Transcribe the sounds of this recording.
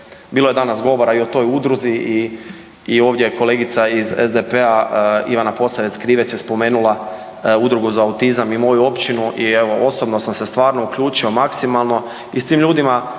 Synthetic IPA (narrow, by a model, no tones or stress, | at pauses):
biːloje̞d̪anasɡo̞ʋo̞ɾaio̞t̪o̞jud̪ɾuziiː | o̞ːʋd̪jeko̞leːɡit̪saizezd̪epeaḭʋanapo̞saʋeskɾiːʋetsjespo̞me̞ːnulˠa | ud̪ɾuɡuzaːut̪izamimo̞juo̞pt͡ʃinuʔieʋo̞o̞sobno̞samse̞st̪ʋaːɾno̞ukʎuːt͡ʃio̞maksimalˠno̞ | ist̪iːmʎuːd̪ima